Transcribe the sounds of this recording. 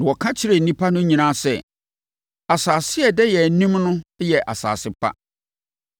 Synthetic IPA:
nã˨wɔ˨kʰã˦t͡ɕʰɪ˦ɾɛ˨n̩˨nĩ˦pʰa˦nʊ̃˦ɲĩ˨nã˦˨sɛ̰˨ | a˨saː˨sɪ˦ɛ˨dɛ˦jɛ˨nĩ˦mnʊ̃˦jɛ˨ʔa̰˨sa̰ː˨sɪ˦pʰa̰˦

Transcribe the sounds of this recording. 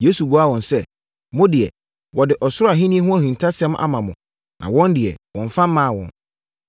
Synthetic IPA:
je˦su˨ɡu˦a˦˨wɔ̃˨nsɛ˦ | mʊ̃˦dɪ˨ɛ̰˨ | wɔ˨dɪ˨ʔɔ˨sʊ˦ɾa˨ɦĩ˦nĩ˦ɛ˦ɦʊ̃˦æ˦hĩ˨n˨tʰa˦sɛ̃˦mʔa̰˦mã˨mʊ̰̃˨ | nʔã˨wɔ̃˦ndɪ˨ɛ̰˨wɔ̃˨ɱ˨fã˦m̩˦mãː˦˨wɔ̰̃˨n

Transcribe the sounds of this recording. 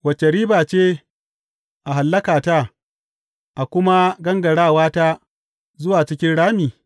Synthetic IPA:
wɐ˨t͡ʃːe˨ɾiː˦baː˨t͡ʃeː˦ | ʔa˨ɦa˨lːɐ˦kaː˨taː˦ | ʔa˨kʷʊ˦ma˦ɡɐ˦ŋɡɐ˨ɽaː˦˨waː˦taː˦ | zʊ˦waː˨t͡ʃɪ˦kʲɪ˦nɽaː˦miː˨

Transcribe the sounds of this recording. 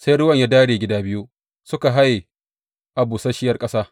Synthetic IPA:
sa˦jɽʊ˦wɐ˨ɲjaː˦daː˦ɽeː˨ɡʲɪ˦daː˦bɪ˦ju˦ | sʊ˦ka˨ɦa˦je˨ | ʔa˨buː˨sɐ˦ʃɪ˦jɐ˦rkʼɐ˦saː˦

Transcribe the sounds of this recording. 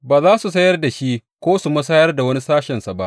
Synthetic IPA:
baː˨zaː˦su˨sɐ˦jɐ˦rda˨ʃi˦kʷoː˦su˨mɐ˦s̬ɐ˦jɐ˦rda˨wɐ˦ni˦saː˦ʃɛ˨nsa˨ba˦ʔ

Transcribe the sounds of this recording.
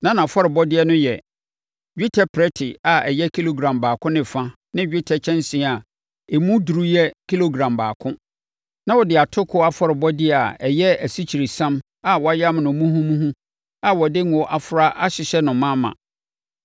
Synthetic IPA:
nã˦nã˨fɔ˦ɾɪ˨bɔ˦dɪ˦ɛ˦nʊ̃˦jɛ˨ | ɥᶣi˦tʰɛ˦pʰɾɛ˦tʰɪ˨a˨ɛ˨jɛ˦kʰi˦lo˨ɡɾã˨mbaː˨kʰʊ̃˦nɪ̃˨fã˦ | nɪ̃˦ɥᶣɪ˦tʰɛ˦t͡ɕʰɛ̃˦n˦sĩ˨˦˨a˨ | e˨mũ˦du˨ɾu˦jɛ˦kʰi˦lo˦ɡɾã˨mbaː˨kʰʊ̃˦ | nã˦wɔ˨dɪ˨a˨tʰʊ˦kʰʊ˦a˨fɔ˦ɾɪ˨bɔ˦dɪ˦˨a˨ɛ˨jɛ˦æ˨si˦t͡ɕʰi˨ɾi˨sã˦m | a˨wɔ˨a˦ja˦m˨nʊ̃˨˦mũ˦ɦũ˦mũ˦ɦũ˦ | a˨wɔ˨dɪ˦ŋ˨wɔ˦ʔa˦˨fʊ˨ɾa˦ʔa˦ɕɪ˨ɕɛ˦nʊ̃˨mã˦mã̰˨

